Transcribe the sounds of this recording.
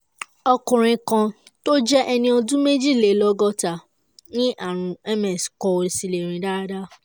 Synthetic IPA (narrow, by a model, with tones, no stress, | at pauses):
ɔ˧kũ˨ɾ̃ĩ˧kã˧to˦d͡ʒɛ˦ʔɛ˧nĩ˧ɔ˧dũ˦me˦d͡ʒi˦˨le˨lɔ˦ɡɔ˦ta˨ | nĩ˦ʔa˦˨ɾ̃ũ˨˧ɛ˦mɛ˨skɔ˧o˨ɾi˨si˧le˨ɾ̃ĩ˨da˦da˦